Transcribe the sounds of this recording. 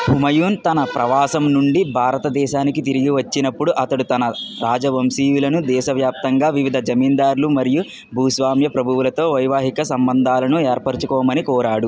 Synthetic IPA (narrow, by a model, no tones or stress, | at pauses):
bʱumɐjuːnt̪ɐnɐpɾɐʋaːsɐmnuɳɖibʱaːɾɐt̪ɐd̪ɛːʃaːnikit̪̬iɾiɡiʋɐt͡ʃːinɐpːuɽuʔɐt̪ɐɽut̪ɐnɐɾaːd͡ʒɐʋɐmsiːʋulɐnud̪ɛːʃɐʋjaːp̚t̪ɐŋɡaːʋiʋid̪ʱɐd͡ʒɐmiːnd̪aːɾlumɐɾiju | bʱuːsʋaːmjɐpɾɐbʱuʋulɐt̪o̞ːʋɐjʋaːɦikɐsɐmbɐnd̪ʱaːlɐnueːɾpɐɾt͡ʃukɔːmɐnikɔːɾaːɽu